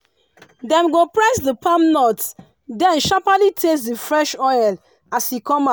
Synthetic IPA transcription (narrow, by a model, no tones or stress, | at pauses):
dɛ̃mɡopɹɛsdəpʰãmnɔt | dɛ̃nʃapalitʰes̬dəfɹɛʃɔjl | ashikɔ̃mã